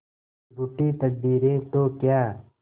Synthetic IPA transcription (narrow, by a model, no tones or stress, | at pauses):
ɾuʈiːt̪ək̚biːɾẽːt̪okjaː